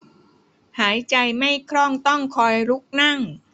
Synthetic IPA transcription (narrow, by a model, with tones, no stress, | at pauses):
haː˩˦jt͡ɕa˧jma˥˩jkʰɾɔː˥˩ŋt̪ɔ˥˩ŋkʰɔː˧jɾu˦˥k̚na˥˩ŋ